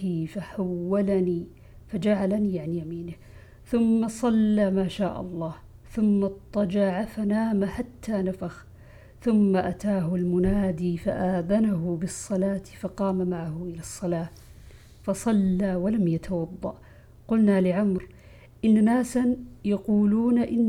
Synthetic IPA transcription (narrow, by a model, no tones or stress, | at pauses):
ifaħawːalaniː | fad͡ʒaʕalaniːʕanjamiːnɪ | θʊmːasˤɑlːaːmaːʃaːʔɑ̰lˤːɑːh | θʊmːɑt̪ˤːɑd͡ʒɑʕafanaːmaħat̪ʰːaːnafax | θʊmːaʔat̪aːɦʊlmʊnaːd̪iːfaʔaːðanaɦʊbɨsˤːɑlaːt̪ɪfɑqɑːmamaʕahʊʔɪlasˤːɑlaː | fɑsˤɑlːaːwalamjat̪ʰawɑd̪ˤːɑ̰ʔ | qʊlnalɪʕamɾ | ʔɪnːanaːsanjɑquːluːnaʔɪnː